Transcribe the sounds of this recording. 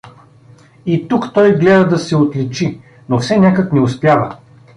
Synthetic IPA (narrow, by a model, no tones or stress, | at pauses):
it̪ukt̪ɔjɡlɛd̪ɐd̪ɐsɛot̪lit͡ʃi | nofsɛnʲakəknɛʊspjavə̰